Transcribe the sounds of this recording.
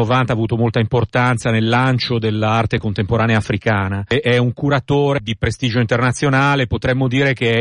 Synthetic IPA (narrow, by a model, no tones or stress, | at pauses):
ovant̪aːvuːt̪omolt̪aimport̪ant̪sanelːant͡ʃod̪elːaart̪ekont̪empoɾaːneaːfɾikaːnaʔɛuŋkuɾat̪oːɾed̪ipɾest̪iːd͡ʒoint̪ernat̪sːjonaːlepot̪ɾɛmːod̪iːɾek̟e